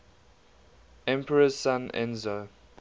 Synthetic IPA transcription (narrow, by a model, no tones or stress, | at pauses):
ɛ̃mpʰəɹəsãnʔɛ̰̃nzo